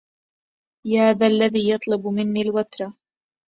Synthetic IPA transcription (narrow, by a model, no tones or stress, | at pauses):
jahaːðaːʔlːaðiːjɑt̪ˤlʊbmɪnːiːlwat̪ɾˤɑ